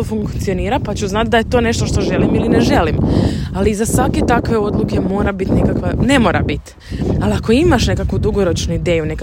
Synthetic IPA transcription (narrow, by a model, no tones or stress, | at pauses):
ofuŋkt̪sijo̞niːɾapat͡ɕuznat̪̚d̪aje̞t̪o̞ne̞ʃt̪oʃt̪o̞ʒe̞limilineʒe̞limalizasʋake̞t̪akʋe̞o̞d̪lˠuke̞mo̞ːɾabit̪ne̞kakʋane̞mo̞ːɾa̰bit̪ | aliako̞imaʃne̞kakud̪uɡo̞ɾo̞t͡ʃnuid̪ejune̞ka